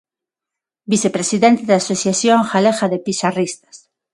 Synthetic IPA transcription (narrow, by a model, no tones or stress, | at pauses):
biθepɾesiðent̪eðaːsoθjaθjoŋxaleɣaðepiʃarist̪ḁs